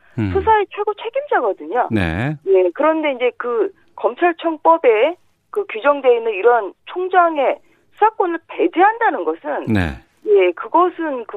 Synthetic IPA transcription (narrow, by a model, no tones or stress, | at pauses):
sʰusʰaet͡ɕʰwe̞ɡot͡ɕʰe̞ɡimd͡ʑaɡʌdɯɲo̰nḛje̞kɯɾʌnde̞ind͡ʑe̞kɯ | kʌmt͡ɕʰaɭt͡ɕʰʌŋp͈ʌbe̞ | kɯkjud͡ʑʌŋde̞inɯniɾʌnt͡ɕʰoŋd͡ʑaŋe̞̥ | sʰak͈onɯɭpe̞d͡ʑiɦandanɯnɡʌsʰɯnnḛ | je̞kɯɡʌsʰɯnkɯ